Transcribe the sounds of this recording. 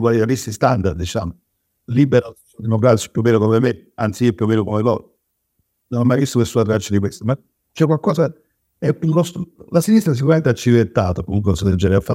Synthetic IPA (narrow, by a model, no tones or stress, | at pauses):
kwalit̪aɾisist̪and̪aɾd̪d̪it͡ʃa̰ːmo | libːeɾa | d̪inoɡɾat̪si̥pjumːɛːlokomeme | ant̪siiːopːjuomːeːnokomelɔ̰ːɾ | nonamːajvist̪oesːuːat̪ɾat͡ʃːad̪ikwest̪oma | t͡ʃːɛkːwalkɔːsa | ɛuɾɔst̪olasinist̪ɾas̬ikuɾament̪eat͡ʃːivet̪ːaːt̪akumuŋkosled͡ʒːɛɾɛafːa